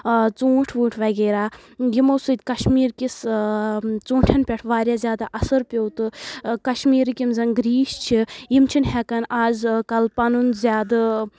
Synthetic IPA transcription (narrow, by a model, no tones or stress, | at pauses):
t͡sũːʈʰʋuːʈʰʋɐɡeːɾaːjimosud̪ʲkɐʃmiːɾkis | t͡suːʈʰɐnpʲɛʈʰʋaːɾʲjaːzʲjaːd̪aʔɐsɐɾpʲowt̪ɨkɐʃmiːɾikʲimzɐnɡɾiːʃt͡ʃʰijimt͡ʃʰinɦɛkɐnaːzkɐlpɐnunzʲaːd̪